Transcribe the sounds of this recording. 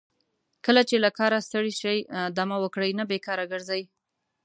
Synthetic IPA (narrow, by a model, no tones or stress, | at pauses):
kəlat͡ʃelakɑɾast̪əɽiʃajd̪amawəkɽəjnabekɑɾaɡəɾzaj